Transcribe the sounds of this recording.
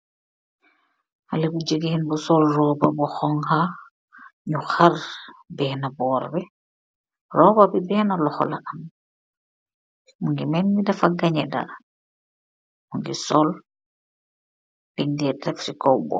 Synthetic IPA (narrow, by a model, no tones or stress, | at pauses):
halebud͡ʒəɡehinbɔsɔlrɔːbabɔxɔŋha | ɲuxarbɛhnabɔːɾbɛ | rɔːbabibɛhnalɔxɔ̰la̰ʔɐm | muŋɡimɛnmidɐfaɡaɲɛda̰ | muŋɡisɔl | b̥iɲdɛtɛfsikɔwbɔ̰